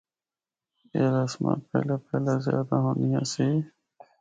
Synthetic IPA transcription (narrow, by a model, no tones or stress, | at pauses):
eːɾəsmã̰ːpɛ̰ːleːpɛːlaːzjaːd̪aːɦoːnijã̰ːsiː